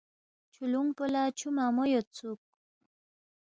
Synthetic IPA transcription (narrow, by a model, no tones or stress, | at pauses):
t͡ʃʰuluŋpəlat͡ʃʰumamojot͡suk̚